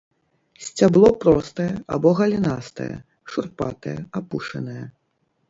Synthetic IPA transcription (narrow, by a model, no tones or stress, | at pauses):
sʲt͡sʲablˠɔpɾɔst̪ɐjɛʔa̰bɔɣɐlʲinast̪ɐ̰jɛ̰ | ʂurpa̰t̪ɐjɛapuʂɐ̰nɐjɛ